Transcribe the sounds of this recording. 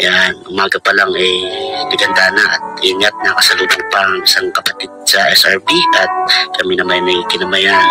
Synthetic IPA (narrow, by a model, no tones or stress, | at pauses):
janʔʊmaːɡɐpɐlaŋɛjnɪɡɐnd̪anɐʔːt̪̚ʔɪŋat̪̚nɐkɐsɐluːd̪aŋpɐŋɪsaŋkɐpɐ̥t̪id̪̚sɐʔɛsaɹpiʔɐt̪̚kɐminɐmajnɐɡkɪnɐmɐja